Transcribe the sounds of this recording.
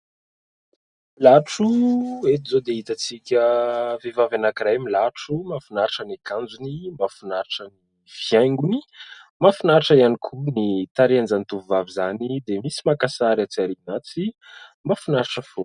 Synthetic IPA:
laʈ͡ʂuet̪izod̪eit̪at͡sikʲəvevavanakiɾajmilaʈ͡ʂumafunaɾʈ͡ʂənekand͡zunimafunaɾʈ͡ʂəni | vjajŋɡunimafunaɾiʈ͡ʂəianikʰunit̪aɾeanzanit̪uvuvavizanid̪emisimakasaɾat͡siaɾinat͡si | mafunaɾʈ͡ʂəfo

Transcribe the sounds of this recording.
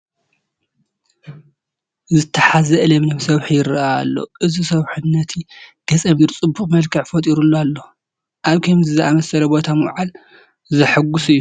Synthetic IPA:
zɨt̪ʰːɐħazɐʔɨlɐmnomsɐβħijɪɾɐaalːo̞̰ʔɨzisɐβħunːɐt̪ʰiɡ̥ɐt͡sʼɐmiɾt͡sʼɨbːuχʼmɐlkʰɐʕfɐt̪ʼiɾulːoalːo̞ | ʔaβkʰɐmzɨzɨamɐsɐlɐbo̞t̪ʰamɨwʕal | zɨħɨɡusɨjːu

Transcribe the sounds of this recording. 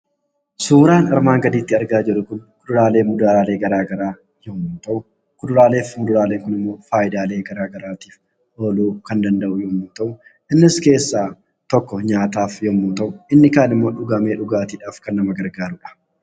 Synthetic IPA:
suːɾaːnɐɾmaːŋɡɐd̪iːt̪ːɪɐɾɡaːd͡ʒɪɾʊkʊnkʊd̪ʊɾaːle̞ːmʊd̪aːaːle̞ːɡɐɾaːɡɐɾaː | jɔmːuːt̪ɐʔʊ | kʊd̪ʊɾaːle̞ːfmʊd̪ʊɾaːleːŋkʊnɪmːo̞ːfaːjɪd̪aːle̞ːɡɐɾaːɡɐɾaːt̪i̥ːf | ʔo̞ːluːkɐnd̪ɐnd̪ɐʔʊjomːuːt̪ɐʔʊ | ʔɪnːɪske̞ːsːaː | t̪ɔkːɔɲaːt̪aːfjɔmːuːt̪ɐʔʊɪnːɪkaːnɪmːo̞ːᶑʊɡɐme̞ːᶑʊɡaːt̪iːᶑaːfkɐnːɐmɐɡɐɾɡaːɾʊᶑɐ̥

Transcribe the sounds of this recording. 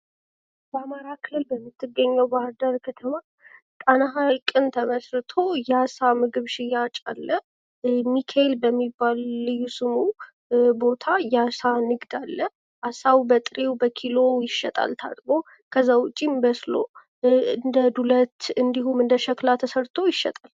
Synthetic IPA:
bəamaɾakʰɨlːɨlbəmːɨt̪ʰːɨɡːəɲːəwbahɾd̪əɾkʰət̪ʰəma | t̪ʼanaɦalkʼɨnt̪ʰəməsɾɨt̪ʰo̞jasamɨɡɨβʃɪjat͡ʃʼa̰lːə | mikʰaelbəmːibːalːɨjːusɨmu | bo̞t̪ʰajasanɨɡd̪alːə | ʔasawbət̪ʼɨɾewbəkʰilo̞jɪʃːɛt̪ʼa̰lt̪ʰa̰t̪ʼmo̞ | kʰəzːawʊt͡ʃʼimbəslo | ɨnd̪əd̪ulət̪ɨnd̪iɦumɨnd̪əʃəklat̪ʰəsəɾt̪ʰo̞jɪʃːɛ̰t̪ʼal

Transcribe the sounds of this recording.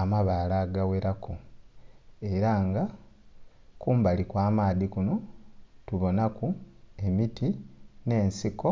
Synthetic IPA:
amaβaːlaɡaweɾaku | e̞ɾaŋɡa | kuːmbalikwaːmaːðikuno̞tuβo̞nakue̞mitine̞ːnsiko̞

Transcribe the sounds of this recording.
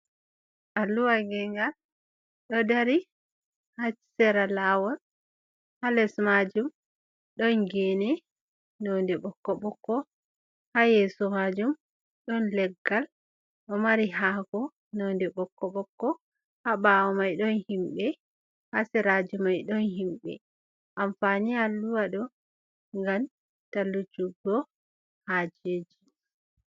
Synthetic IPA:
ʔaluwaɡɛŋɡal | ɗɔdaɾi | hasɛɾalawɔl | halɛsmad͡ʒum | ɗɔnɡɛːnɛ | nɔndɛɓɔkːɔɓɔkːɔ | hajesuhad͡ʒum | ɗɔnlɛɡal | ɗɔmaɾiɦaɡɔ | nɔndɛɓɔkːɔɓɔkːɔ | haɓawɔmajɗɔnhimɓɛ | hasɛɾad͡ʒumajɗɔnhimɓɛ̰ | ʔamfanialːuwaɗɔ | ŋɡamn | talːud͡ʒuɡːɔ | had͡ʒed͡ʒi

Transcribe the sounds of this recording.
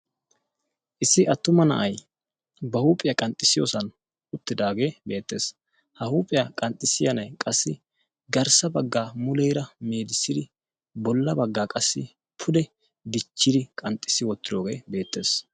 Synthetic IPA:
ʔɪsːɪʔɐt̪ːʊmɐnɐ̰ʔɐj | bɐhuːpʼːɪjɐkʼɐnt̪ʼːɪsɪjo̰ːsɐn | ʊt̪ːɪd̪aːɡe̞ːbe̞ːt̪ːe̞ːs | hɐhuːpʼɪjɐkʼɐnt̪ʼɪsɪjɐnɐjkʼɐsːɪ | ɡɐɾsɐbɐɡːaːmʊlɛjɾɐmeːd̪ɪsːɪd̪ɪ | bɔlːɐbɐɡːaːkʼɐsːɪ | pʰʊd̪ɛ | d̪ɪt͡ʃːɪd̪ɪkʼɐnt̪ʼːɪ̥sːɪwɔt̪ːɪd̪o̞ːɡe̞ːbe̞ːt̪ːe̞ːs

